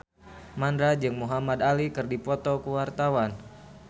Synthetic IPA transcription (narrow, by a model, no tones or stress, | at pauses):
mandɾad͡ʒɨŋmuɦamad̪alikɨrdipɔt̪ɔkuwart̪awan